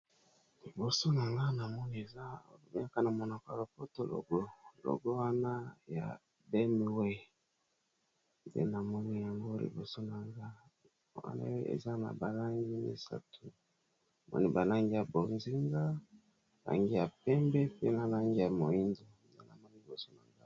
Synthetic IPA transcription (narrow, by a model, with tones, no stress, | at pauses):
li˨bo˨so˦na˨ŋɡa˦na˨mɔ˦ni˦e˨za˦˨˦a˦ka˦na˨mɔ˨na˨ka˨lo˨po˦to˦lo̰˨ɡo˦lo̰˨ɡo˦wa˦na˦ja̰˨ | bɛ˦mi˨wɛ˦ | ndḛ˦na˨mɔ˦ni˦ja˨ŋɡo˦lḭ˨bo˨so˦na˨ŋɡa˦ | wa̰˦na̰˦wḛ˨za˦na̰˨ba˨la˦ŋɡi˦nḛ˨sa̰˦tʰu˨ | mɔ̰˦ni˦ba˨la˦ŋɡi˦ja˨bo˨nzi˦ŋɡa˦ | la̰˨ŋɡi˦ja˨pɛ˦mbɛ˦pe˦na˨la˦ŋɡi˦ja˨mo˨i˦ndo˨ | de˦na˨mɔ˦ni˦li˨bo˨so˦na˨ŋɡa˦